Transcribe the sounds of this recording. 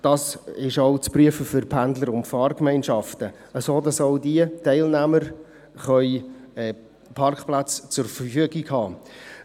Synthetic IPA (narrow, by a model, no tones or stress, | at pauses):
d̥ɑsɪʃɔʊt͡spryəfəfʏɾpʰændləɾʊntfɑːrkmɛɪnʃɑftə | əsoːdɑsɔʊdiətɛɪlnæməɾ | χœʏɛː | pʰɑrkplat͡st͡sʊɾfərfyəɡikhɑː